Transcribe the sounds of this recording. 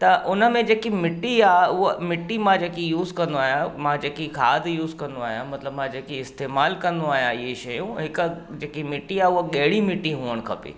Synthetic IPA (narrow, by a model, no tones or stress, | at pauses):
t̪ɐʔʊnə̆mẽd͡ʑeːkimɪʈiaːʊɦmɪʈːimãd͡ʑeːkijuːzkɐ̃nd̪oaːɦijãmãd͡ʑeːkikʰaːd̪ʱjuːzkɐ̃nd̪oaːɦijãmɐt̪ləbmãd͡ʑeːkiɪst̪eːmaːlkɐ̃nd̪uaːɦijãɪɦeʃɐjũɦɪkʊ | d͡ʑeːkimɪʈiaːʊɦoɠɐɦɪɽimɪʈːiɦuːəɽ̃kʰɐpḛː